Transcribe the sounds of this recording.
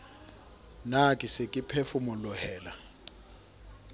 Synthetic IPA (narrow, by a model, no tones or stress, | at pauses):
nakʼisekʼipʰefumɔlʊhɛːla